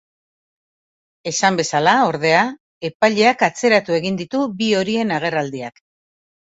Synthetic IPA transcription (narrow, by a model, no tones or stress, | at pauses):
e̞sambe̞salao̞ɾð̞e̞a | e̞paʎe̞akat͡se̞ɾat̪ue̞ɣind̪it̪ubio̞ɾie̞naɣ̞e̞rald̪iak